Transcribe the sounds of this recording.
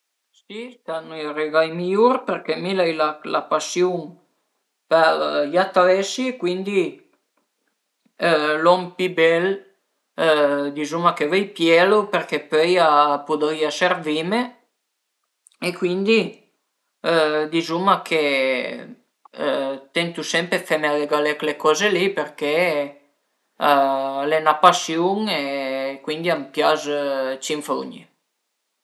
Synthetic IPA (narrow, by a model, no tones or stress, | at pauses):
sist̪anuireɡajmijuɾperkemilajlalapasjuŋ | pɛɾjat̪alɛsiekwind̪i | lɔmpibɛl | d̪izumakevɛjpjɛloperkepøjapud̪ojaservime | ekwind̪i | d̪izumakʰe | t̪ɛnt̪usɛmpɾefɛmead̪eɡalɛklekɔzelipeɾke | lenapasjuŋekwind̪iampjazt͡ʃiɱfo̰ɲe